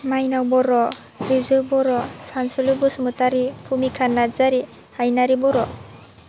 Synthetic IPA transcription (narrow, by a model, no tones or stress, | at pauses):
majnawbɔɾɔ | ɾizɯbɔɾɔsansɯlɯbɯsɯmutaɾipʰumikʰanːazaɾi | hajnaɾibɔɾɔ